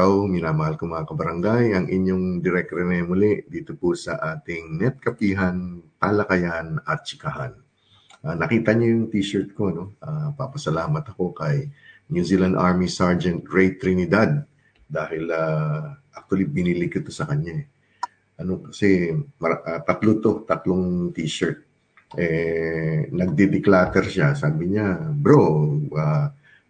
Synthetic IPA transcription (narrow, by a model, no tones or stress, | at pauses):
awmɪnaːmɐhalkomɐŋakɐbɐɾɐŋɡajɐŋʔɪɲjoŋd̪ɪɾɛk̪̚ɾɛnɛmʊlɛd̪iːt̪o̞pʊsɐʔaːt̪ɪŋnɛt̪̚kɐpiːɦɐnt̪aːlɐkɐjanɐt̪̚t͡ʃɪkaha̰n | ʔaːnɐkiːt̪ɐɲojʊŋt̪iːʃɛɹt̪̚ko̞ɐno̞ʔapapɐsɐlaːmɐt̪ɐko̞kɐjnjuzilɐnʔaɹmisaɹd͡ʒɛnt̪̚ɹɛjt̪ɾɪnɪd̪ad̪̚ | dːaːhɪlaʔak̚t̪ʊwɐlibɪnilɪkɪt̪osɐkɐɲaɛ | ʔɐno̞kɐsɛmɐʔat̪ɐt̪lot̪o̞t̪ɐt̪loŋt̪iːʃɛɹt̪̚ | ʔɛ | nɐɡ̚d̪ɛd̪ɪklaːt̪ɛɾʃasaːbɪɲabɾoa